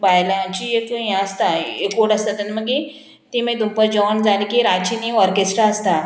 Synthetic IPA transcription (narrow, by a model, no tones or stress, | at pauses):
bajlaãt͡ɕiekɦjãəst̪aekoʈəst̪at̪ənməɡi | t̪iməd̪umpəd͡ʑɔnd͡zalikiɾat͡ɕinĩʋɔɾkesʈɾaəst̪a